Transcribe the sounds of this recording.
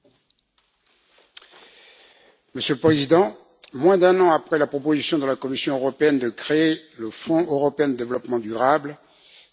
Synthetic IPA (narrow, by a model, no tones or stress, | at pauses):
məsjøləpχezid̪ɑ̃ | mwɛ̃d̪ɛ̃nɑ̃apχɛlapχɔpozisjɔ̃d̪əlakɔmisjɔ̃øʁɔpeɛnd̪əkχeeləfɔ̃øʁɔpeɛ̃d̪əd̪evlɔpmɑ̃d̪yʁabl